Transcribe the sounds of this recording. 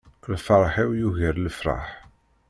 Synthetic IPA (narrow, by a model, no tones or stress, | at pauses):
lfəɾˤħiwjuʝəɾləfɾˤɑ̰ħ